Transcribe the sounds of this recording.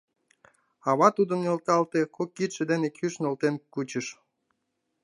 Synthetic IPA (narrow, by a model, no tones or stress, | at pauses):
ɑβɑt̪ud̪əmnolt̪ɑlt̪ekokːit̪ʃed̪enekʰyʃnolt̪enkut͡ɕəʃ